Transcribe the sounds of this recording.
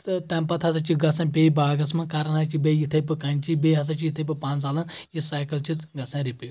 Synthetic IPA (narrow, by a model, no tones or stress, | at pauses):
t̪ɐ̃mpɐt̪ʰɐs̬ɐt͡ʃʰiɡɐsɐ̃ːpʲeːibaːɡɐsmɐ̃kɐɾɐnɐt͡ʃʰibejit̪ʰɐpɨkɐnt͡ʃʰibeɦɐs̬ɐt͡ʃʰijit̪ʰɐpɨpãːnsaːlɐ̃jisaːjkɐlt͡ʃʰiɡɐsɐ̃ɾipij